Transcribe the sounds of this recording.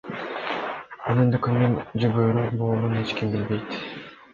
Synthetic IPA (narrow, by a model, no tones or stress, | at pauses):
ɑnɯnd̪ekʰɯndend͡ʒyɡøːɾyboːɾunet͡ʃkimbilbejt̪